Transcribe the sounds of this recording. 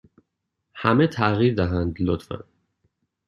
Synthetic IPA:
hæmet̪ʰæɣiɾd̪æɦænd̪lot̪fæ̰n

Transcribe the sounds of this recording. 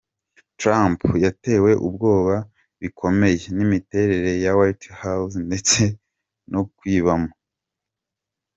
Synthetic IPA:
tɾampjate̞ːwe̞ʔub̚ɡo̞ːβa | βikʰo̞me̞je̞nimite̞ɾe̞ɾe̞jawajthawsnde̞t͡se̞ | nʔokwiːβamo

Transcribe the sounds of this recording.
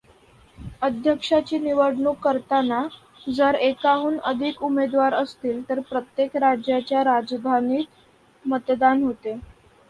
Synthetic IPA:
əd̪ʱjəkʂat͡ɕiːniʋəɽɳuːkəɾt̪ana | d͡zəɾekaɦuːnəd̪ʱikumed̪ʋaɾəst̪iːlt̪əɾpɾət̪jekɾad͡ʑjat͡ɕjaɾad͡zd̪ʱaniːt̪ | mət̪d̪anɦot̪e

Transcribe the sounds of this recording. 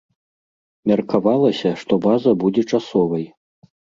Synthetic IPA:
mʲɐrkavalˠɐsʲɐʂt̪ɔbazɐbud͡zʲɛt͡ʂasɔvɐj

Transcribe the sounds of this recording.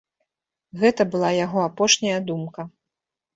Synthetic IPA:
ɣɛt̪ɐbɨlˠajaɣɔapɔʂnʲɐjɐd̪umkɐ

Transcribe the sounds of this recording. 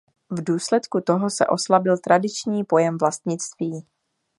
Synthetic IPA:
vduːslɛt̪kut̪o̞ɦo̞sɛ̰ʔo̞slabɪlt̪ɾadɪt͡ʃɲiːpo̞jɛmvlast̪ɲɪt͡st̪viː

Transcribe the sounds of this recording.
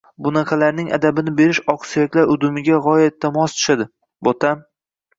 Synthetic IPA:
bʊnɑqʰɑlaɾnɪŋa̰d̪abɪnɪbe̞ɾɪʃɒqsijakʲlaɾʊd̪ʊmɪɡʲaʁɒjat̪̚ːamɒst̪ʰʊ̥ʃad̪ɪ | bot̪ʰam

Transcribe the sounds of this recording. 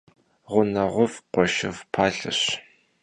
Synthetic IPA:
ʁʷʊnɐʁʷʊvqʷɔʃɪvpʰaːɬɨ̰ɕ

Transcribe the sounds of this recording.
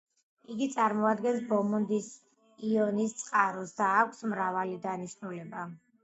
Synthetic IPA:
iɡit̪sʼaɾmɔad̪ɡɛnsbɔmɔnd̪is | iɔnist̪sʼqʼaɾɔsd̪aːkʷʰsmɾavalid̪aniʃnulɛba

